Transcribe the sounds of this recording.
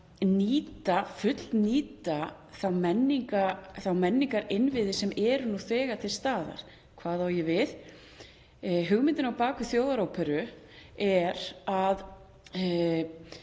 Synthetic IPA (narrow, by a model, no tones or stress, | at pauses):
niːt̪afʏt̪l̥niːt̪a | θawmɛnːiŋkaθawmɛnːiŋkaɾɪnvɪðɪsɛmɛɾʏnuθɛːɣat̪ʰɪlst̪aːða̰ɾ̥ | kʰvaːðawjɛvɪð | ɦʏɣmɪnt̪ɪnawpaːkʏθjoːwðaɾoːwpʰɛɾʏ | ɛɾað